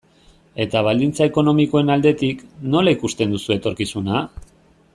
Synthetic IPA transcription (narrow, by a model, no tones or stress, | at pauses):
e̞t̪aβald̪int͡sae̞ko̞no̞miko̞e̞nald̪e̞t̪ikno̞laikust̪e̞nd̪usue̞t̪o̞ɾkisuna